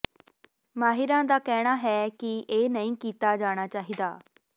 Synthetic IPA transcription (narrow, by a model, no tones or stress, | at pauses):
maːɦɪɾãːd̪aːkɛːɽ̃aːɦɛːkɪʔeːnəĩːkiːt̪aːd͡ʒaːɽ̃aːt͡ʃaːɦiːd̪a̰ː